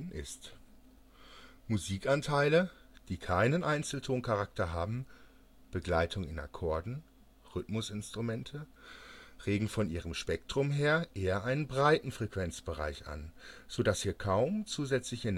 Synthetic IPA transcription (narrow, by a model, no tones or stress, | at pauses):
ʔɪ̰st | muziːkantʰaɪləd̥iːkʰaɪnənʔaɪnt͡sl̩tʰoːnkʰaʁak̚tɐɦaːbm̩ | b̥əɡlaɪtʰʊŋɪna̰kʰɔɐdn̩ | ʁʏtmʊsɪnstʁ̥umɛntʰə | ʁeːɡŋ̩fɔnʔḭːʁəmʃpɛk̚tʁ̥ʊmɦeːɐʔeːɐʔaɪnənbʁaɪtn̩fʁ̥ekv̥ɛnt͡sb̥əʁa̰ɪçʔa̰nz̥oːdashiːɐkʰaʊmt͡suːzɛt͡slɪçɪn